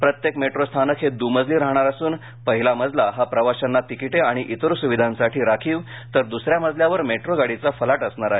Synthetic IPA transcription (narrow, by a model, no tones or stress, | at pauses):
pɾət̪jekmeʈɾost̪ʰanəkʰɦed̪uməd͡zʱliɾaɦɳ̃aɾəsuːn | pəɦilaməd͡z̪ʱlaɦapɾəʋaɕanːat̪ikiʈeaɽ̃iʔit̪əɾusuʋid̪ʱãnsaʈʰiːɾakʰiːʋ | t̪əɾd̪usɾjaməd͡zʱljaʋəɾmeʈɾoɡaɽit͡safəlaʈəsɳaɾaɦe